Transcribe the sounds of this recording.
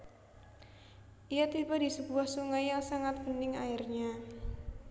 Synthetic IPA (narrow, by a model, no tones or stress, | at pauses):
ʔijat̪ibadisəbuahsuŋajasaŋat̪̚mənɪŋaɪrɲa